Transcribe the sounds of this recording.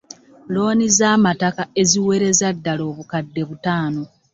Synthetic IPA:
lo̞ːnizaːmatakae̞ziwe̞ɾe̞zadːalo̞ːβukadːe̞βutaːno̞

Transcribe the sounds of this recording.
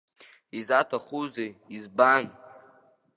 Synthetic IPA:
izatʰaχuzeizban

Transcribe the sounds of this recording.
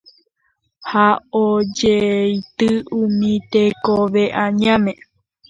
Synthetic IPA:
haod͡ʒejt̪ɨumĩt̪ekoʋe̞ʔãɲãmẽ

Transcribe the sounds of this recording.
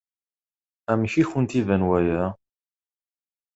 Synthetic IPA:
æmçiçənt̪ivænwæjæ

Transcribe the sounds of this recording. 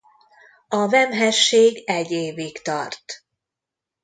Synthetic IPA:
ɒvɛmɦɛʃːeːɡɛɟːeːvikt̪ɒ̰rt̪

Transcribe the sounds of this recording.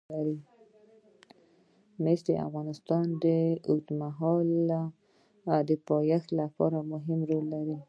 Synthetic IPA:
aɾi | mesd̪əa̰fɣɑnɪst̪ɑnd̪əʊt̪maɦɑla | d̪əpɑjaxlapɑ̰ɾamʊɦɪmɾolːaɾi

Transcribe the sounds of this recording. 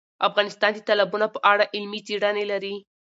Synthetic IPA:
afɣɑnɪst̪ɑnd̪ət̪alabunopəʔaɽaʔɪlmit͡seɽanelaɾi

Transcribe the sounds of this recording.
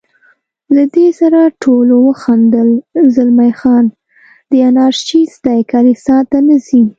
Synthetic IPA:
lad̪esaɾaʈʰolowəxand̪əlzalmajxɑn | d̪əanɑɾʃt͡ʃisd̪ɑjkɑɾisɑt̪anəzi

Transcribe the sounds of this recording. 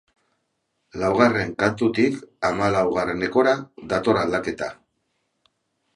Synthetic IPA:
lawɣ̞are̞ŋkant̪ut̪ikamalawɣ̞areneko̞ɾaðat̪o̞ɾald̪ake̞t̪a

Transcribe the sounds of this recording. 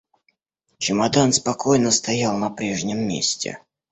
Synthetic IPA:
t͡ɕɪmɐd̪anspɐkʰo̞jnəst̪ɐjalˠnɐpɾʲe̞ʐnʲɪmːʲḛsʲtʲɪ̰

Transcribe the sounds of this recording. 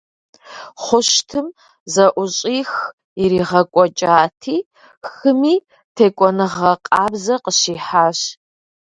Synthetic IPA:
χʷʊʃtʰɨm | zɐʔʷʊɕʼiːx | iɾiːʁɐkʷʼɔt͡ʃʼaːtʰiː | xɨmiː | tʰeːkʷʼɔnɨʁɐqʼaːbzɐqəɕiːħaːɕ

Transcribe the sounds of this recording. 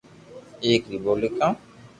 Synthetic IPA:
ekɾibolikã

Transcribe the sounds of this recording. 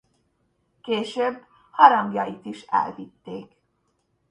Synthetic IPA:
keːʃøbː | hɒɾɒŋɡjɒjit̪iʃɛ̰lvit̪ːeːk

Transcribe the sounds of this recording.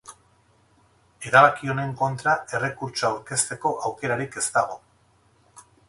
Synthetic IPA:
e̞ɾaβakio̞ne̞ŋko̞nt̪ɾae̞re̞kuɾt͡ʃoawɾke̞st̪e̞ko̞ʔawke̞ɾaɾike̞st̪aɣ̞o̞

